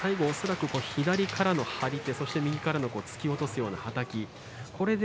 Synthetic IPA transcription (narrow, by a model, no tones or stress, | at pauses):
aiɡo̞ːso̞ɾakɯ̟ko̞çid̪aɾʲikʰaɾano̞haɾʲit̪e̞so̞ɕi̥t̪e̞mʲiɡʲikaɾano̞ko̞ːt͡sɨ̥kʲio̞t̪o̞sɨjo̞ːnahat̪akʲi | kʰo̞ɾe̞d̪